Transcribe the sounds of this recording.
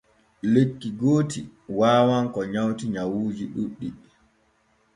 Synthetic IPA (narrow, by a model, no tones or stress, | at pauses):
lekːiɡoːtḭwaːwaŋkɔɲawtiɲawuːd͡ʒiɗuɗːi